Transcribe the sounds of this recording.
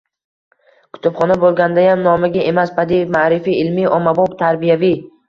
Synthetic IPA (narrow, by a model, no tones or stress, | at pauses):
kʰʊ̥t̪ʊbχɒnabolˠɡʲand̪ajamnɒmɪɡʲaʔe̞maspʰad̪imaɾɪfiɪlmiɒmabɒbt̪ʰaɾbijavi